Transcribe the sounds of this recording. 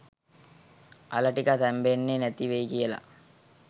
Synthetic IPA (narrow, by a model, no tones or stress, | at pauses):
a̰lɐʈikat̪æmbenːenæt̪iʋejkijəla̰